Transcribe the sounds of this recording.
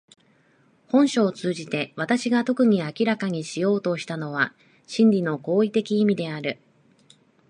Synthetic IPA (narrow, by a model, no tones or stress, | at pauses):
hõ̞ɰ̃ɕo̞ːt͡sɨːʑit̪e̞β̞at̪aɕiɡat̪o̞kɯ̟ɲ̟iakʲiɾakaɲ̟iɕijo̞ːt̪o̞ɕi̥t̪ano̞β̞a | ɕĩnɾʲino̞ko̞ːit̪e̞kʲiːmʲid̪e̞aɾɯ̟